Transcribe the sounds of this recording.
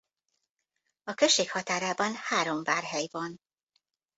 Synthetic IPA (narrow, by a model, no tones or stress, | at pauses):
ɒkøʃːeːkhɒt̪aːɾaːbɒnhaːɾo̞mvaːrɦɛjvɒn